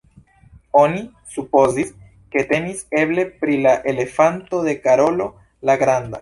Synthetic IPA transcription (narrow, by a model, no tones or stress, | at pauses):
o̞ni | supo̞zis | ke̞te̞nise̞ble̞pɾilaʔe̞le̞fanto̞d̪e̞kaɾo̞lo̞ | laɡɾand̪a